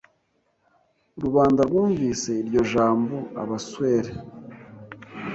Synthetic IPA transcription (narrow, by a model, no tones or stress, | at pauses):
ɾuβaːndaɾɡuːɱviːse̞iɾɟo̞ʒaːmboa̰βaswe̞ːɾe